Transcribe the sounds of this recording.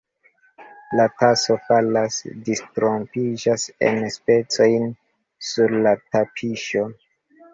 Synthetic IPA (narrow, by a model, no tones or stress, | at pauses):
lataso̞falasdistɾo̞mpid͡ʒasḛnspe̞t͡so̞jn | suɾlatapʰiʃo